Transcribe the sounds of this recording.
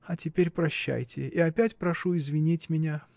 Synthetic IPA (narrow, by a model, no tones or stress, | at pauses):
ɐtʲɪpʲeɾʲpɾɐɕːæ̰jtʲɪ̰iɐpʲætʲpɾɐʂuɪzvʲɪnʲitʲmʲɪnʲa